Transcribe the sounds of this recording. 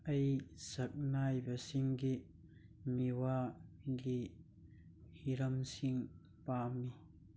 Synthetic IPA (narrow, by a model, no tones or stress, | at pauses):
ʔɐjsɐk̚naːjbɐsiŋɡi | miwaɡiʔ | hiɾɐmsiŋ | paːmːi